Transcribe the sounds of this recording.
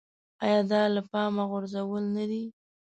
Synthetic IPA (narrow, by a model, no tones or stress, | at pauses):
ɑjɑd̪ɑlapɑmaɣʊɾzawəlnad̪i